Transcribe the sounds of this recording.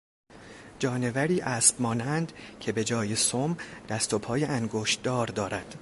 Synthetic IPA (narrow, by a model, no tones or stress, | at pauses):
d͡ʒɒːne̞væɾiːʔæːsb̥̚mɒːnænd̪cʰe̞be̞d͡ʒɒːje̞somd̪̥æst̪o̞pʰɒːjeʔæŋɡoːʃt̪d̪ɒːɾd̪ɒːɾæd̪̥